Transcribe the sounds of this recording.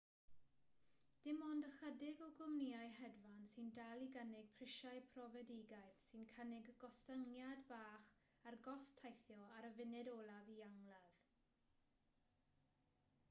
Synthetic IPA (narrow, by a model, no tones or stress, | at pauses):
d̥ɪmɔndəχədɪɡɔɡʊmniːajɦɛdvansɪndalˠiɡənɪɡ̚pʰr̥ɪʃajpʰrɔvɛdɪɡajθsɨnkʰənɪɡɡ̥ɔstəŋjadbaːχ | arɡɔstʰajθjɔaɾəvɪnɪdɔːlˠaviaŋlˠað